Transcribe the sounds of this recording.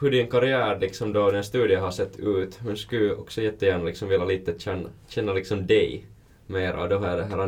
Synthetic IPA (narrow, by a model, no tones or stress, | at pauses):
hɵɖɪnkɑɾɪæːɾlɪksɔmd̪ɔd̪ɛnst̪ʉːd̪ɪəɦɑsɛt̪ːʉːt̪hʉnskʉʔɔksɔjɛt̪ːəjæːɳalɪksɔmvɪlːaliːt̪əɕɛnːɕɛnːalɪksɔmd̪ɛj | meːɾʔa̰d̪ɔɦɑɑd̪ɛɦæːɾɑ